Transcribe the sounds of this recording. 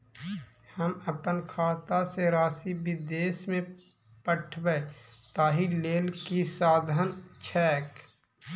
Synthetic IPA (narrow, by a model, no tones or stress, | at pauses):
həməpənkʰaːt̪aseɾaːsibɪd̪eːsmẽ | pəʈʰbəet̪aːɦileːlkisaːd̪ʱənt͡ʃʰɛːk